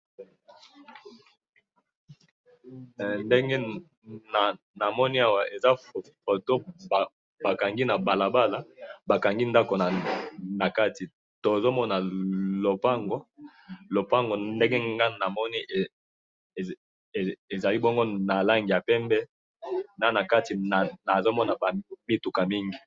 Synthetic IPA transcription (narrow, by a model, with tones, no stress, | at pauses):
nde˦ŋɡe˦ | na˨ | na˨mɔ˦ni˦a˦wa˨ʔe˨za˦˨fo˨to˦˨ | ba˨ka˨ŋɡi˦na˨ba˨la˨ba˦la˨ba˨ka˨ŋɡi˦nda˦ko˨na˨na˨ka˦ti˨ | to˨e˨zo˦mɔ˦na˨lo˨pa˦ŋɡo˦ | lo˨pa˦ŋɡo˨nde˦ŋɡe˦ŋɡa˦na˨mɔ˦ni˦˨ | e˨za˨li˦bɔ˦ŋɡo˦na˨la˦ŋɡi˨ja˨pɛ˦mbɛ˦ | na˦na˨ka˦ti˨na˨na˨zo˦mɔ˦na˨ba˨mi˦tu˨ka˨mi˦ŋɡi˨